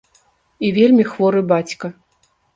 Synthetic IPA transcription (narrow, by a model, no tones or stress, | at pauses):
ivʲelʲmʲixvɔɾɨbat͡sʲkɐ